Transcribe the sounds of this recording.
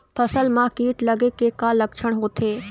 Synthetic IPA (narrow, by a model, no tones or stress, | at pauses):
pʰəsəlmãkiːʈlɐɡekeːkalɐkʃʰəɽ̃ɦoːt̪ʰeː